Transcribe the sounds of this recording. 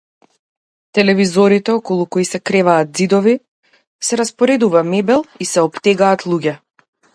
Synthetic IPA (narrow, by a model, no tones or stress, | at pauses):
t̪ɛlɛvizɔɾit̪ɛɔkɔlˠukoisɛkɾɛvaːt̪̚zid̪ɔvi | sɛɾaspɔɾɛd̪uvamɛbɛlˠisɛɔpt̪ɛɡaːt̪lˠuɟɛ